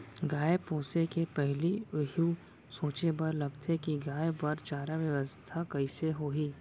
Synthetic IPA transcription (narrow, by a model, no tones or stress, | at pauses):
ɡaːjepoːsekepɛɦliɦu | soːt͡ʃebɐɾlɐɡt̪ʰekiɡaːebɐɾt͡ʃaːɾaʋjɐʋəst̪ʰakɐiseɦoːɦiː